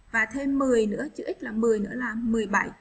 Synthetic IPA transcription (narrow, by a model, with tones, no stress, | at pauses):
vaː˨˩t̪ʰe˧mːɨ˨˩əjnɨ̰˧˥ət͡ɕɨ˧˩ʔi˦˥k̟̚laː˨˩mmɨ˨˩əjnɨ̰˧˥əlaː˨˩mɨ˨˩əjɓa˧˩j